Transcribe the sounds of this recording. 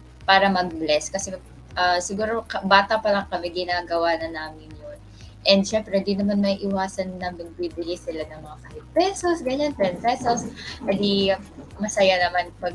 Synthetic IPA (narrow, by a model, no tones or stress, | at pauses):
paːɾɐmɐɡ̚blɛskɐsɛ | ʔɐsɪɡuːɾo̞kɐbaːt̪ɐpɐlɐŋkɐmɛɡɪnaːɡɐwanɐnaːmɪnjon | ʔɛnd̪̚ʃɛmpɾɛd̪inɐmanmɐiʔɪwaːsɐnːɐmɪŋbibɪlɪsɪlanɐŋmɐŋakɐhɪt̪̚pɛsosɡɐɲanpɾɛnpɛsoshad̪imɐsɐjanɐmanpɐɡ̚